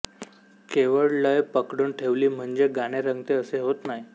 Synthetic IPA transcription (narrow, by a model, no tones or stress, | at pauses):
keʋəɭləjpəkɽuːnʈʰeʋliːm̤əɳd͡ʑeɡaɽ̃eɾəŋɡt̪eəseɦot̪naɦij